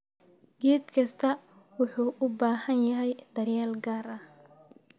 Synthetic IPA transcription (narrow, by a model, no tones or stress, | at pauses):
ɡ̥ɛːd̪kʰɐst̪ʰɐwʊħuːʔʊbaːhɐnjɐɦɛjd̪̥ɐrjaːlɡaːɾɐ